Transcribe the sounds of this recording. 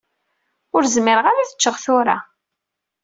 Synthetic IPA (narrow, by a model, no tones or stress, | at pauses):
ʊɾzmɪɾəʁaɾaθə̥t͡ʃːəʁθʊɾa̰